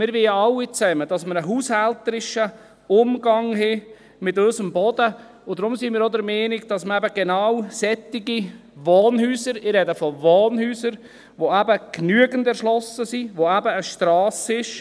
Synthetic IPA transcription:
mɪɾʋeːəɑwːit͡sɛməd̥ɑsməɾəɦuːshɛltəɾɪʃə | ʊmɡ̥ɑŋɦɛ | mɪtøʏsəmbɔd̥ə | ʊd̥ɾʊmsimɪːɾod̪əɾmɛːnɪɡ̚d̥ɑsməæbəɡ̥enawsɛt̪ɪɡi | ʋoːnhyːsəɾɪrːɛdəfɔvoːnhyːsəɾ | ʋoæbəknyəɡəndɛɾʃlɔsəsiʋoæbəːʃtɾɑːsɪʃ

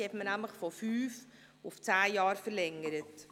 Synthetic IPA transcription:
hɛtmənæmləχfɔfyːf | ʊft͡saːjɑːɾfəɾlɛŋəɾət

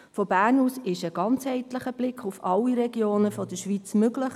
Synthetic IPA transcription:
fɔbæːrnhuːsɪʃəɡɑnt͡shɛɪtləχəb̥lɪkʰχufɑlːiɾɛɡ̥joːnəfɔdəʃʋit͡smøɡləχ

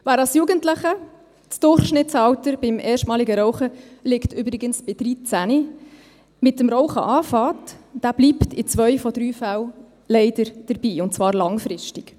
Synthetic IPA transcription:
væːɾɑsjuːɡəntləχə | t͡sd̥ʊrχʃnɪtt͡sɑwtəɾb̥ɪmʔɛːʃtmɑːliɡəɾɔʊχəlɪktyːbɾɪɡənsb̥ɪd̥ɾit͡sæni | mɪtəmɾɔʊχə̰ʔɑːfɑːtd̥æb̥liːptɪt͡svœʏfɔd̥ɾyːfæw | lɛɪdəɾd̥əɾb̥iːʊnt̚t͡svɑːɾlɑŋfɾɪʃtɪk

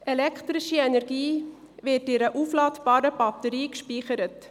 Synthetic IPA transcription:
ɛlɛkʰtɾɪʃiɛnɛɾɡiː | vɪtɪɾəʔuflɑːtb̥ɑːɾəbɑtəɾiːkʃpiːχəɾət

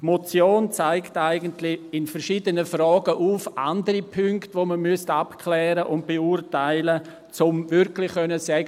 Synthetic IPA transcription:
tmot͡sjoːnt͡saɪktaɪɡəntlɪɪnfɛɾʃiːdənəfrɔːɡ̥əʔuːfʔa̰ndəɾipʰʏŋktʋoməmʏstapkʰlɛːɾəʔʊnt̚b̥eurtaɪlə | t͡sʊmvɪɾklɪχχœnəsɛɡə

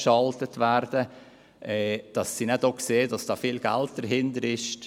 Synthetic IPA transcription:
ʃɑltətʋæɾdə | ʔɛːd̥ɑsːinɛdokseːd̥ɑsd̥ɑːfiːlɡ̥æ̰lt̚d̥əɾɦɪndəɾɪʃ

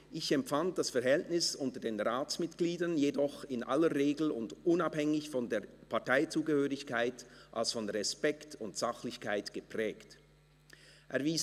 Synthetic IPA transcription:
ʔɪçɛmfant̚d̥asfɛɐɾɦɛltnɪsʊntədeːnʁaːt͡smɪtɡ̥liːdɐnjedɔχɪnʔa̰ləʁeːɡl̩ʊ̰ndʔʊnaphɛŋɪçfɔndeːɐpʰaɐtaɪt͡suːɡəhøːʁɪçkʰaɪtʔa̰lsfɔnʁɛspɛktʰʊntz̥aχlɪçkʰaɪtɡ̥əpʁ̥ɛːkt | ʔɛɐviːs

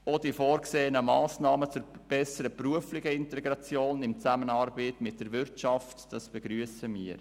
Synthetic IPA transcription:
od̥ifoːɾkseːənəmɑːsnɑːmət͡sʊɾb̥ɛsəɾəpruəflɪɡ̥əɪntɛɡɾɑt͡sjoːnɪmt͡sæmənɑɾbɪːtmɪt̚d̥əɾʋɪrtt͡ʃɑftd̥ɑsb̥ɛɡ̥ɾyːəsəmḭːəɾ

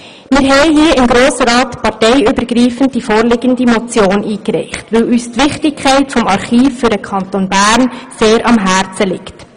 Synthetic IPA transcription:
mɪːɾɦɛɪɦiəɪmɡɾoːsəɾɑːtpɑɾtɛɪybəɾɡɾiːfənd̚d̥ifoːɾlɪɡəndimɔt͡sjoːniːkɾɛ̰ɪχtʋɵlyːstʋɪχtɪkʰχæɪtfɔmɑrχiːfːʏɾdəkʰɑntonbæːɾnseːɾʔɑmɦæːɾt͡səlɪkt

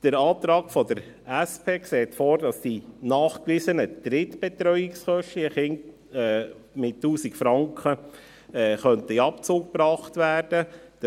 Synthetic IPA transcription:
d̥əɾɑːtɾɑːɡfɔd̥əɾ | æspʰeːkseːtfoːɾdɑsd̥inɑːχkʋɪsənəd̥ɾɪtb̥ɛt̪ɾœʏɪksχœʃtliəχɪntː | mɪtːuːsikfɾɑŋkχə | ɛχœntəiɑpt͡suːk̚pɾɑːχtʋæːrd̥əd̥ə

